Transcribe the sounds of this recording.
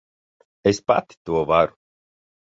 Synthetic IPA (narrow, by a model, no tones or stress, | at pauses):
espa̰t̪i̥t̪uɔvaɾʊ